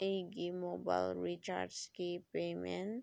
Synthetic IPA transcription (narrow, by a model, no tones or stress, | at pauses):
eɡimoːba̰ɪlɾit͡ʃa̰ːɾɖskipeːmẽn